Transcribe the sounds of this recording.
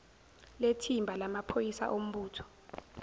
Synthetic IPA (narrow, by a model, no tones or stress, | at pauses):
letʰimbʱalamapʰojisa̰ʔom̩ɓuːtʰɔ̥